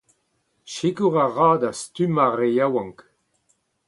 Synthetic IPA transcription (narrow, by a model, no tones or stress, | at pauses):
ʃikuʁaʁaːdastymaʁejawãŋk